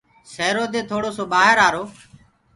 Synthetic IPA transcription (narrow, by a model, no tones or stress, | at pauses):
seːɾoːd̪eːt̪ʰoːɽoːsoːɓaːɦəɾaːɾoː